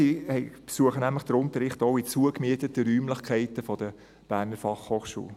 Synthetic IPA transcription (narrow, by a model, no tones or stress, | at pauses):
ihɛɪpsuəχənæmləχd̥əɾʊntəɾɪχtoʊit͡suəkmiətətəɾyːmləχkʰæɪtəfɔd̥ə | b̥æːnəɾfɑχhoːχʃṵːl